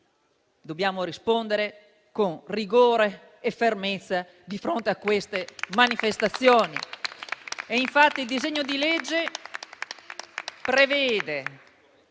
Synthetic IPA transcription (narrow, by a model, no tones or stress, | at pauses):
d̪objaːmoɾispond̪eɾe | konriɡoːɾeː | fermet̪sːa | d̪ifɾont̪eakːwest̪emanifest̪at̪sːjoːni | eiɱfat̪ːild̪izeɲːod̪iled͡ʒːe | pɾevɛːd̪e